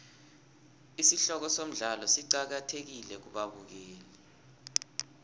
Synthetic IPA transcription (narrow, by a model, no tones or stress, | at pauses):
isiɬɔk̬ɔsom̩ɮalɔsiǀak̬atʰek̬ilɛk̬uɓaɓuk̬eːlɛ